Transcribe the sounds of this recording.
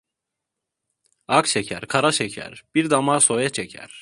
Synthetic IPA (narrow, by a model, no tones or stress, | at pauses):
akʃecʰæ̰ɾkʰaɾaʃecʰæ̰ɾb̥iɾd̪amaːsojat͡ʃʰecʰæ̰ɾ̥